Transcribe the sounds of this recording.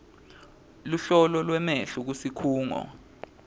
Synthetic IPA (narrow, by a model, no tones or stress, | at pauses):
luɬɔlɔlwɛmɛɬuk̬usikʰuːŋɔ̰